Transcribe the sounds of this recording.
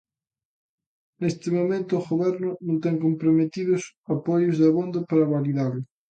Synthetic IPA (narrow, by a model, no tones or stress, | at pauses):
nest̪emomẽnt̪ʊːɣoβɛɾnʊnõnt̪̬eŋkompɾomet̪iðos | apɔjʊzðeaβond̪apaɾaβaliðaɾlʊ